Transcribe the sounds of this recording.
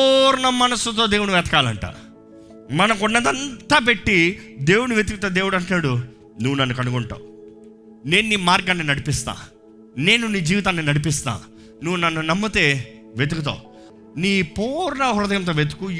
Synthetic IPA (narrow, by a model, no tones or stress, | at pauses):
ɔɾɐɳɐmːɐnɐsut̪̬o̞ːd̪eːwunuʋɛːt̪ɐ̥kaːlɐɳʈa̰ː | mɐnɐmkuɳːɐd̪ɐnt̪aːp̬eʈːid̪e̞ːwuɽuʋjet̪ukut̪aːd̪eːwuɽɐɳʈːaːɽu | nuʋːunɐnːukɐnuɡɔɳʈa̰ːu | ne̞ːnːiːmaːɾɡɐnːinɐɽipist̪a̰ː | ne̞ːnuniːd͡ʒiːʋit̪̬aːnːinɐɽip̬ist̪a̰ː | nuʋːunɐnːunɐmːɐt̪eː | ʋet̪̬ukut̪̬a̰ːu | niːpɔːɾɐɳɐɦʊɾɐd̪ɐjɐmt̪̬oːʋet̪u̥ku